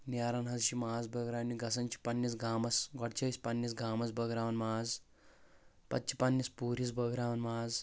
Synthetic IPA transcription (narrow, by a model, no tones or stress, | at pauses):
naːɾɐnɦɐzʃimaːzbɐɡɾaːniɡɐsɐnt͡ʃʰi̥pɐnːis̬ɡaːmɐsɡɔɽt͡ʃʰɐsʲpɐnːisɡaːmɐsbɐɡɾaːʋɐnmaːz | pɐtt͡ʃʰi̥pɐnːispuːɾisbɐɡɾaːʋɐnmaːz